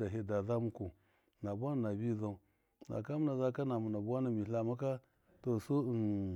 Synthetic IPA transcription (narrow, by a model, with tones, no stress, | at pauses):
da˨ɦe˦da˨za˦mu˦ku˨ | na˨bʷa˦na˨na˨bi˦za˦˨u˨ | na̰˨ka˦mu˦na˨za˦ka˦na˨mu˨na˨bu˦a˦na˨mi˨˦a˨ma˦ka˦ | to˨su˦˨n